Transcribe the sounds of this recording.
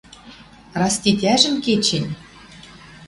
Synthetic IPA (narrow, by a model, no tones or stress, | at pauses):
rɑsʲt̪ʲit̪ʲæʒɘ̆nʲket͡ɕɘ̆nʲ